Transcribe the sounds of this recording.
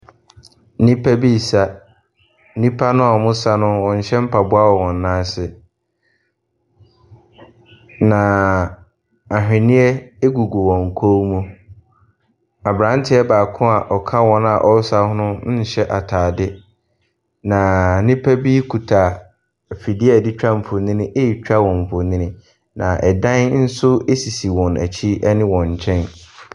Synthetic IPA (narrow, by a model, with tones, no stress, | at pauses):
nĩ˦pʰa˦bi˦˨sa˦ | nĩ˦pʰa˦nʊ̃˦a˨mʊ̃˦sa˦nʊ̃˦wɔ̃˨n̩˨ɕɛ̃˦m̩˦pʰa˨bʊ˦a˦wɔ˨wɔ̃˨nː˦ãː˦sɪ˨ | nã˨ | a˨ɦᶣɪ̃˨nɪ̃˦ɛ˦e˦ɡu˨ɡu˨wɔ̃˨ŋ̩˨kʰo˦mũ˦ | a˨bɾã˨˦n˦tʰɪ˦ɛ˦baː˨kʰʊ̃˦a˨ʔɔ˨kʰa˦wɔ̃˨˦na˨ʔɔ˦sa˦hʊ̃˦nʊ̃˦n̩˦˨˦ɕɛ˦ʔa˨tʰaː˨dɪ˦ | nã˨nɪ̃˦pʰæ˦bi˦kʰu˨tʰa˨ | fi˨di˦a˨dɪ˦t͡ɕᶣa˦m̩˨fʊ˨nɪ̃˦nɪ̃˦ʔe˦i˨t͡ɕᶣa˦wɔ̃˨m̩˨fʊ˨nɪ̃˦nɪ̃˦ | nã˨ʔɛ˨dã˦nn̩˦sʊ˦e˦si˨si˨wɔ̃˨næ̰˨t͡ɕʰi˦ɛ˦nɪ̃˦wɔ̃˨ɲ̩˨t͡ɕʰɛ̃˦n